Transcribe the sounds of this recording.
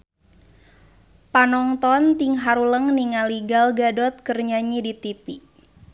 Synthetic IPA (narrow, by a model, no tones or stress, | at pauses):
panɔŋt̪ɔnt̪iŋɦaɾuləŋniŋaliɡalɡadɔt̪̚kərɲaɲidit̪ipi